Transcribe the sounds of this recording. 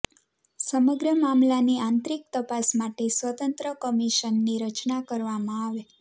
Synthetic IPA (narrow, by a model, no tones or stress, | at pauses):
səməɡɾəmamlaniãnt̪ɾik̚t̪əpasmaʈesʋət̪ənt̪ɾəkəmiʃənːiɾət͡ʃnakəɾʋamãaʋe